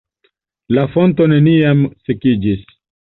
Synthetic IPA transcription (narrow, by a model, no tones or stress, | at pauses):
lafo̞nto̞ne̞niamsekid͡ʒis